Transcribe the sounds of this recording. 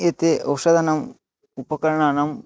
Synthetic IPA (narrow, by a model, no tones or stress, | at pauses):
et̪eʔɐwʂɐd̪ʱɐnɐm | upɐkɐɾɐɳaːnɐm